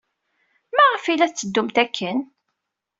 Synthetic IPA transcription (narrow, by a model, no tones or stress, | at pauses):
mæʁəfilæθt͡sːəd̪ːʊmt̪ækʰːən